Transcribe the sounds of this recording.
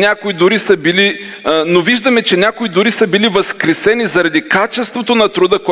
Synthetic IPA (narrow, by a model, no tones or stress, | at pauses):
nʲakoid̪ʊɾisəbili | noviʒd̪əmɛt͡ʃɛnʲakoid̪ʊɾisəbilivəskɾɛsɛnizɐɾɐd̪ikat͡ʃɛst̪vot̪onɐt̪ɾʊd̪əkɔ